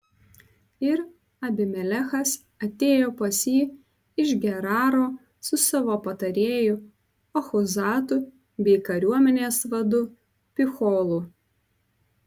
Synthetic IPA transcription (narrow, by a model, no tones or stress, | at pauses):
ɪɾ | ɐbʲɪmʲɛlʲɛxɐs | ɐt̪ʲeːjoːpɐsʲiː | ɪʒɡʲɛɾɑːɾoː | sʊsɐʋoːpɐt̪ɐɾʲeːjʊ | ɔxɔzɑːt̪ʊ | bʲɛɪkɐɾʲuɔmʲɛnʲeːsʋɐd̪ʊ | pʲɪxoːlˠuː